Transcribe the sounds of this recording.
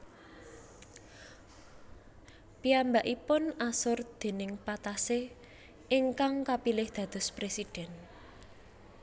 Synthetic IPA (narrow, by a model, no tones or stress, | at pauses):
piambaʔipʊnasʊrd̪̥e̤nɪŋpat̪ase | ʔɪŋkaŋkapilɪhd̪̥ä̤d̪̥ʊ̤spɾesid̪̥ɛn